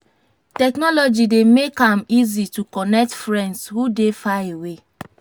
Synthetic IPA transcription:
tɛknɔlɔd͡ʒidemekãmizitukɔnɛk̚tfɹɛ̃ndshudefaewe

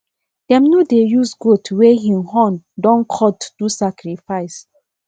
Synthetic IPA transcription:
d̥ɛ̃mnodejusɡotweɦĩmɦɔ̃ndɔ̃nkʰɔtd̥usakɾifaɪs

